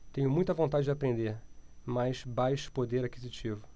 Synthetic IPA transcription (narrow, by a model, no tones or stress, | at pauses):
t̪ẽɲʊmũj̃t̪ɐvõnt̪ad͡ʒɪd͡ʒɪapɾẽnd̪eɾmajʃbajʃʊ̥pod̪eɾakizit͡ʃivʊ